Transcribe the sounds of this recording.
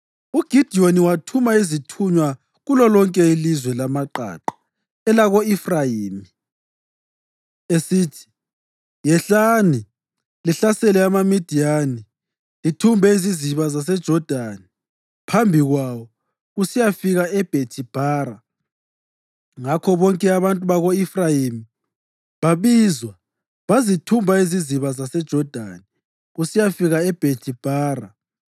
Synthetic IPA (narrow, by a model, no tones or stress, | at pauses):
uɡ̥ʱid̥ʱioniwatʰumaizitʰuɲwa | ɣulɔlɔŋkʼɛilizwɛlamaǃa̰ǃḁ | ɛlaɣoifrajiːmi | esiːtʰi̥ | jɛɬani | liɬasɛlɛamamid̥ʱijani | litʰumbʱɛiziziβazas̬ɛd̥ʒ̥ʱɔd̥ʱani | pʰambʱiɣwaβɔ | ɣusijafiɣaɛb̥ʱetʰib̥ʱaːɾa | ŋakʰɔβɔŋkʼɛaβantʼuβaɣoifrajimi | βaβiːzwa | βazitʰumbʱaiziziβazasɛd̥ʒ̥ʱɔd̥ʱa̰ni | ɣusijafiɣaɛb̥ʱetʰib̥ʱaːra̰